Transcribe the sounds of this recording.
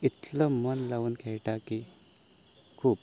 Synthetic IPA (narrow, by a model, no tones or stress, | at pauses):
it̪ləmənlaʋuːnkʰɛɭʈaki | kʰuːp